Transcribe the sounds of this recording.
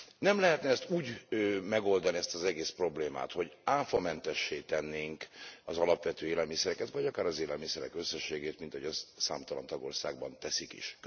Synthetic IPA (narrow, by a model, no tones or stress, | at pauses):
nɛmlɛɦɛt̪nɛɛst̪uːɟmɛɡo̞ld̪ɒniɛst̪ɒzɛɡeːspro̞bleːma̰ːt̪ho̞ɟaːfɒmɛnt̪ɛʃːeːt̪ɛnːeːŋkɒzɒlɒpʋɛt̪øːeːlɛlmisɛɾɛkɛt̪vɒɟɒkaːɾɒzeːlɛlmisɛɾɛkøsːɛʃːeːɡeːt̪mint̪hoɟɒsa̰ːmt̪ɒlɒ̰nt̪ɒɡo̞̰rsa̰ːɡ̚bɒnt̪ɛsikḭʃ